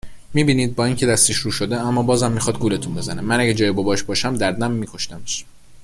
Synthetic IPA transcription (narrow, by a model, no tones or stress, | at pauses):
miːbiːniːd̪̚bɒːiŋcʰe̞d̪æst̪eʃɾuːʃod̪eæmːɒːbɒːzæmːixɒd̪̚ɡuːle̞t̪ʰunbe̞zænemænæɟæd͡ʒɒːjebɒbɒːʃbɒːʃæmd̪æɾd̪æmːiːkʰo̞ʃt̪æmeʃ